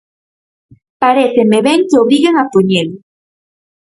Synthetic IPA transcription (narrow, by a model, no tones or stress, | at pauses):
paɾeθemeβeŋkeoβɾiɣeŋat̪oɲel